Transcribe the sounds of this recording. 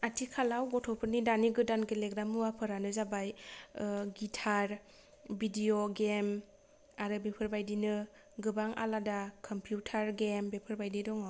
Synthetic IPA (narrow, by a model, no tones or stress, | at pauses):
atʰikʰalawɡɔtʰɔpʰɯɾnidaniɡɯdankeleɡɾamuwapʰɯɾanɯzabaj | ɡitʰaɾ | bidioɡem | aɾɯbepʰɯɾbajdinɯ | ɡɯbaŋa̰ladakʰɔmpʰjutʰaɾɡembepʰɯɾbajdidɔŋɔ